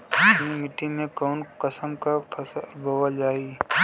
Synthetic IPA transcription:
nimɪʈimẽkɔːnkəsəmkapʰɐsbʱowəld͡ʒaːiː

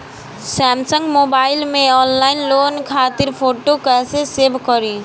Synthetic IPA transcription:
sɛmsəŋɡmobaɪlmẽɔnlaɪnloːnkʰat̪iɾpʰoʈokɛsesebʱkɔɾi

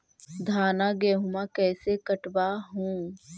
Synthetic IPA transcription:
d̪ʱaːnaɡɛːɦʊmakɛːsekəʈbaɦũː

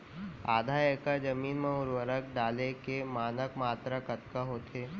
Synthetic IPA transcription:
a̰ːd̪ʱaeːkad͡ʒəmiːnmẽʊɾwəɾək̚ɖaːlekemaːnəkmaːt̪ɾakɐt̪kaɦoːt̪ʰeː

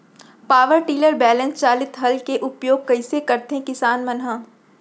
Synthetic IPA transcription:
paːʋəɾʈiːləɾbɛːlɛ̃nst͡ʃaːlɪt̪ɦɐlkeʔʊpjoːɡ̚kɐɪsekɐɾt̪eɦɛ̃kɪsaːnmɐnɦãː

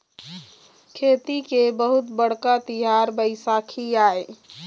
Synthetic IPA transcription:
kʰet̪ikebəɦut̪bəɽ̤kat̪iɦaɾbəɪsakʰiae

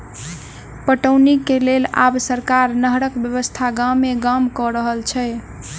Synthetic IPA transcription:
pəʈəwnikːelela̰bsəɾkaɾnəɦɾəkbjəβəst̪ʰaɡamːeɡamkɔɾəɦəlt͡ʃʰɛ

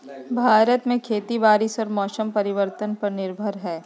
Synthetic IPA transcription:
bʱaːɾət̪mẽkʰeːt̪ibaːɾɪsɔːɾmɔːʃəmpɐɾɪʋəɾt̪ənpɐɾnɪɾbʱəɾɦɛː

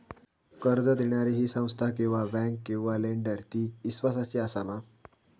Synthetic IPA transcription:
kəɾd͡zəd̪iɳjaɾiɦiːsə̃w̃st̪ʰakĩw̃ʋabɛ̃ŋkːĩw̃ʋaleɳɖəɾt̪iːisʋasasiasama

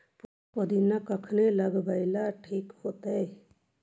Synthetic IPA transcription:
p | pəd̪inakəkʰneləɡbəɪlaʈʰiːkhot̪əj

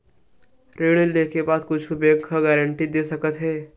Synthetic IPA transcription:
ɾeːɽeld̪ekebaːd̪kʊt͡ʃʰubeɡʰʱəɡɛːɾəɳʈid̪esəkət̪ɦɛː

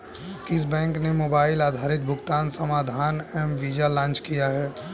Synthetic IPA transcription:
kɪs̬bɛ̃ːŋknemoːbaːɪlaːd̪ʱaːɾɪt̪̚bʱʊɡt̪aːnsɐmaːd̪ʱaːnɛmʋiːd͡ʒalãːnt͡ʃkijaɦɛː

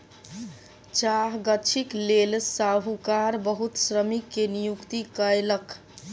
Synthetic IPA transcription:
t͡ʃaɦɡət͡ʃʰiklelsaɦukaɾbəɦut̪sɾəmikːenijukt̪ikəelək

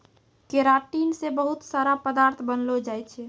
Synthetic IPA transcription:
keɾaʈinsebəɦut̪saɾapəd̪aɾt̪ʰbənlod͡ʒajt͡ʃʰɛ

